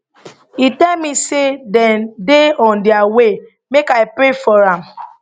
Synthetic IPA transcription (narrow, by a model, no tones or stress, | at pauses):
itɛlmisedɛ̃ndeɔ̃ndɪawe | mekaɪpɾefɔɾãm